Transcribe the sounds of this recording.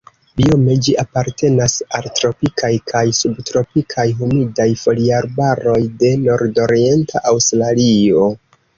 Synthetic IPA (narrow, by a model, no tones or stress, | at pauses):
bio̞me̞d͡ʒiapaɾte̞nasaltɾo̞pikʰajkʰajsubtɾo̞pikʰajɦumidajfo̞liaɾbaɾo̞jde̞no̞ɾdo̞ɾie̞ntʰa̰ʔawstlalio̞